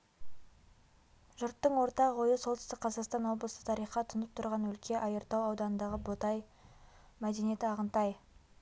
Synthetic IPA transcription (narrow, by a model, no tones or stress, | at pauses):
ʒʊɾt̪ːəɴwo̞ɾt̪ɑʁwojəsolˠt̪ʰɪst̪ɪk̚qʰɑzɑqst̪ɑnwo̞blˠəsə̥t̪ʰɑɾijχɑt̪ʰʊnəp̚t̪ʰʊɾʁɑnwɵlkʲʰe̞ʔɑjəɾt̪ɑwɑwd̪ɑnənd̪ɑʁəbot̪ɑj | mæd̪e̞nije̞t̪ɪɑʁənt̪ɑj